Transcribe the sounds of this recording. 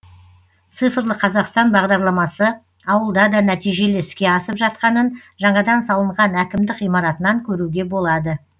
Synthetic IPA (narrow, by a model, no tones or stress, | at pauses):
t̪sɨfəɾlˠəqʰɑzɑqst̪ɑnbɑʁd̪ɑɾlˠɑmɑsə | ɑwəlˠd̪ɑd̪ɑnæt̪ijʒe̞leɪskʲe̞ɑsəpʒɑt̪̚qɑnən | ʒɑɴɑd̪ɑnsɑlˠəɴʁɑnækʲɪmd̪ɪqijmɑɾɑt̪ənɑŋkʲʰɵɾuɡʲe̞bo̞lˠɑd̪ə